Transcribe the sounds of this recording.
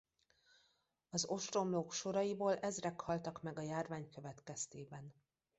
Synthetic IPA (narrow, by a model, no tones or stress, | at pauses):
ɒzo̞ʃt̪ro̞mloːkʃo̞ɾɒjiboːlʔɛzrɛkhɒlt̪ɒkmɛɡɒjaːrvaːɲkøvɛt̪kɛst̪eːbɛn